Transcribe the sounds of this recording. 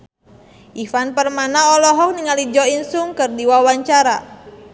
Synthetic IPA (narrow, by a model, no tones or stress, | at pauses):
ʔifanpərmanaɔlɔɦɔk̚niŋalid͡ʒɔinsuŋkɨrdiwawaɲt͡ʃaɾa